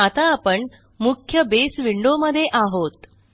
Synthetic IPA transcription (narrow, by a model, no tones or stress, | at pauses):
at̪aːpəɳ | mukʰjəbesʋiɳɖoməd̪ʱːjeʔaɦot̪